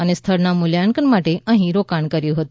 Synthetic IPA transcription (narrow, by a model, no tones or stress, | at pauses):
ənest̪ʰəɾnamuljaɳkənmaʈeə̃ɦĩɾokaɳkəɾjũɦət̪ũ